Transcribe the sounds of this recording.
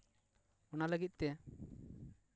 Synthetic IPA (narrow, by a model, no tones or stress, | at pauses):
ɔnaləɡit̪̚ˀt̪ɛ